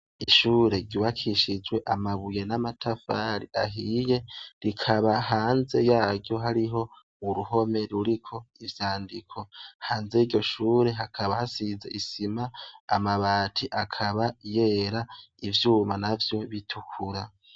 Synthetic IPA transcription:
iʃuːɾe̞ɟuβakʰiʃid͡ʒɡwe̞ʔamaβuje̞namatʰafaːɾiʔaɦiːje̞ɾikʰaβaɦaːnze̞jaːɟo̞ɦaɾiɦo̞ | uɾuɦo̞me̞ɾuɾikʰo̞ivjaːndikʰo̞haːnze̞iɟɟo̞ʃuːɾe̞ɦakʰaβahasize̞ʔisimaːmaβaːtʰiʔakʰaβaje̞ːɾaivjuːmanavjo̞βitʰukʰuɾa

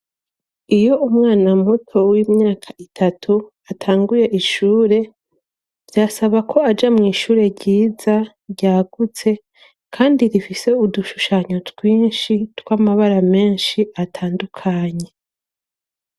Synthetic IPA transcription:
ijo̞umŋaːnamutʰo̞wimɲaːkʰaʔitʰatʰu | atʰaːŋɡuje̞ʔiʃuːɾe̞ | vjasaβakʰo̞ad͡ʒamŋiːʃuːɾe̞ɾɟiːza | ɾɟaːɡ̥ut͡se̞ | kʰaːndiɾifise̞uduʃuʃaɲo̞tɡwiːnʃitwamaβaɾame̞ːnʃiʔatʰaːndukʰaɲe̞

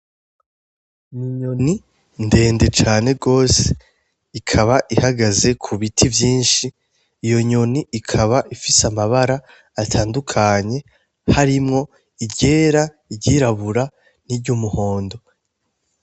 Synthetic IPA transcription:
miɲoni | nde̞ːnde̞t͡ʃaːne̞ɡo̞ːse̥ | ikʰaβaʔihaɡaze̞kʰuβitʰivjiːnʃiː | jo̞ɲo̞niːkʰaβaʔifisamaβaɾaː | tʰaːndukʰaɲe̞ | haɾimŋo̞ | iɟe̞ːɾa | iɟiːɾaβuɾa | niɾɟumuho̞ːndo̞

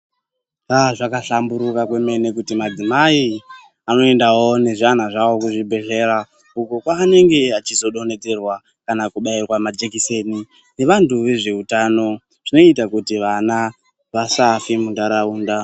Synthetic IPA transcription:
aʐakaɬambuɾukakwe̞me̞ne̞kutimad͡zimai | ano̞e̞ndawone̞ʐan̤aʐawo̞kuʐibʱe̞ɮe̞ɾa | ukokwaːne̞ŋɡe̞at͡ʃizo̞ɗo̞ne̞d͡ze̞rwa | kanakuɓairwamad͡ʒekise̞ni | ne̞ʋantuʋe̞ʐe̞utaːno̞ | ʐ̥ino̞itakutiʋana | ʋasafimundaɾauːnda

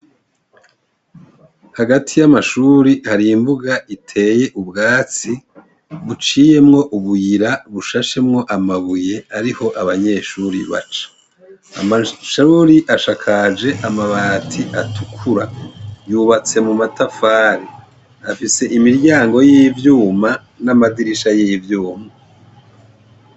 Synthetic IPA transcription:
haɡatʰijamaʃuːɾihaɾiːmbuɡaitʰe̞ːje̞ʔubɡaːt͡si | βut͡ʃiːje̞mŋo̞ʔuβujiɾaβuʃaʃe̞mŋo̞ʔamaβuje̞aɾiho̞ʔaβaɲe̞ːʃuɾḭβa̰t͡ʃḁ | a̰maʃuɾiʔaʃakʰad͡ʒe̞ʔamaβaːtʰiʔatʰukʰuɾajuβat͡se̞mumatafaːɾi | afise̞ʔimiɾɟaːŋɡo̞jivjuːma | namadiɾiʃajivjuːma

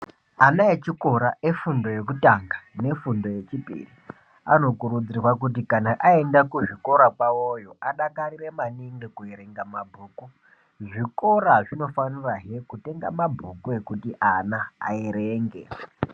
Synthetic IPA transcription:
anaet͡ʃiko̞ɾaʔefundo̞je̞kutaŋɡane̞fundo̞je̞t͡ʃipḭri | ano̞kuɾud͡zirwak̬ut̬ikanaʔaendakuʐiko̞ɾakwawojo̞ʔaɗakariremaniŋɡekueɾeŋɡamabʱuːku | ʐiko̞ɾaʐino̞faniraɦekute̞ŋɡa̰mabʱukue̞kutiʔanaa̰eɾeːŋɡḛ

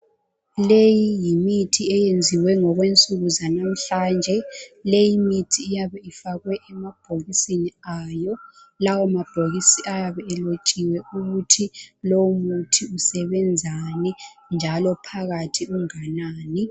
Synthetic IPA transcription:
lejijimitʰiɛjend͡zʱiwɛŋɔɣwent͡sʼuɣuzanam̩ɬaːnd͡ʒʱɛlejimitʰiːjaβɛifaɣwɛʔɛmab̥ʱoɣisiniajɔ | lawɔmab̥ʱoɣisiʔajaβɛɛlot͡ʃʼiwɛuɣutʰilomutʰiusɛβɛnd͡zʱani | nd͡ʒʱalɔpʰaɣatʰiuŋanaːni

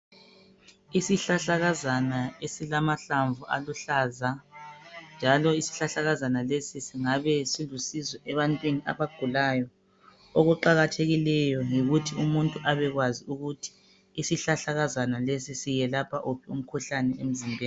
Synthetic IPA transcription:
isiɬaɬaɣazanaesilamaɬaɱvuʔa̰luɬaːza | nd͡ʒʱalɔisi̥ɬaɬaɣazanalesisiŋaβɛsilusizɔʔɛβantʼwinia̰βaɡ̥ʱulajɔ | oɣuǃaɣatʰeɣilɛjɔjiɣutʰiumuntʼuʔaβɛɣwaziuɣutʰi̥ː | siɬaɬaɣazanalesisijɛlapʰaʔupʰɛum̩kʰuɬanɛem̩zimbʱɛː

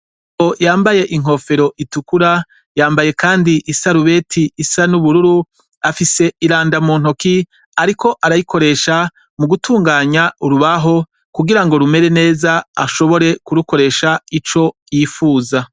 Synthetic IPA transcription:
ojaːmbaje̞ʔiŋ̥o̞ːfe̞ɾo̞ʔitukuɾa | jaːmbaje̞kaːndiʔisaɾuβe̞ːtʰiːsanuβuɾuɾu | afise̞iɾaːndamuːn̥oki | aɾikʰo̞ʔaɾajikʰo̞ɾe̞ːʃa | muɡutuːŋɡaːɲauɾuβaɦo̞ | kuɡiɾaŋɡo̞ɾume̞ɾe̞ne̞ːzaaʃo̞βo̞ɾe̞kuɾuko̞ɾe̞ʃait͡ʃo̞jiːfuːza

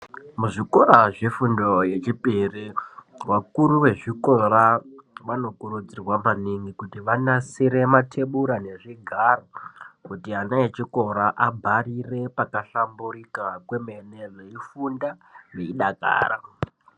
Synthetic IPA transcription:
muʐiko̞ɾaʐe̞fundo̞je̞t͡ʃipiriwakuɾuʋe̞ʐiko̞ɾaʋano̞kuɾud͡zirwamaniŋɡikutiʋanasiɾe̞matʰe̞ɓuɾane̞ʐiɡʱarokutianaet͡ʃiko̞ɾaʔabʱarire̞pakaɬamburikakwe̞menereifundaʋe̞iɗaka̰ːɾa̰

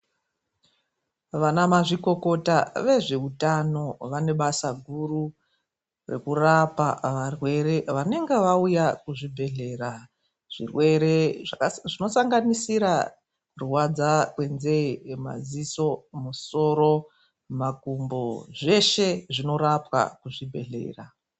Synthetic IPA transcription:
ʋanamaʐiko̞ko̞taʋe̞ʐe̞utano̞ʋane̞ɓasaɡʱuru | re̞̰kurapaʋarwe̞ɾe̞ʋane̞ŋɡeʋaujakuʐibʱe̞ɮe̞ra | ʐ̥ḭrwe̞ɾe̞ʐaʐino̞saŋɡanisiɾa | ruwad͡zakwe̞nze̞ma̰ziso̞muso̞ːɾo̞ | makumbo̞ʐe̞ʃe̞ʐino̞ɾapwa̰kuʐibʱe̞̰ɮe̞̰ːra

